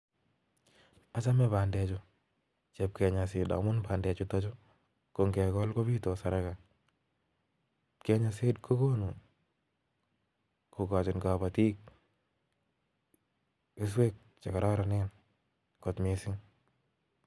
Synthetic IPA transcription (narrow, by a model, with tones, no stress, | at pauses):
a˨t͡ʃa˦mɛ˦ba˨ndɛ˨t͡ʃʊ | t͡ʃe˨p̚kɛ˨ɲa˨sɪ˨da̰˨˦mʊ˦nba˨ndɛ˨t͡ʃʊ˦ta˦t͡ʃʊ˦ | ko˨ŋkɛ˨kɔ˦lko˦bi˦to˨sa˨ɾa˦ka˨ | kɛ˨ɲa˨sɪ˦dkʰo˦ko˦nu˨ | ko˨ka˨t͡ʃɪ˨nka˨bati˦k̚ | ɪ˦s̬we˦k̚ | t͡ʃa˨ka˨ɾʔa˦ɾa˨nɛ˦n | kɔ˨tmɪ˨sɪ˦ŋ